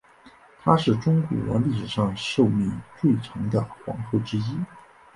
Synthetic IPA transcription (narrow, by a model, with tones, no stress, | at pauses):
t̪ʰa˥ʂɻ̩˥˩ʈ͡ʂʊ˥ŋkwɔ̰˧˥˧li˥˩ʂɻ̩˨˩ʂɑ˥˧ŋʂo˥˧ʊmi˥˩t͡swe˥˩ɪʈ͡ʂʰɤ˧˥ŋd̪ə˧xwɑ̰˧˥ŋxɤ˥˩ʈ͡ʂɻ̩˥i˥